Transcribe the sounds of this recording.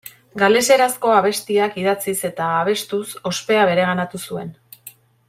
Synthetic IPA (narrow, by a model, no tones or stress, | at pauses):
ɡale̞se̞ɾasko̞aβ̞e̞st̪iakiðat͡sise̞t̪aːβ̞e̞st̪uso̞spe̞aβ̞e̞ɾe̞ɣanat̪usue̞n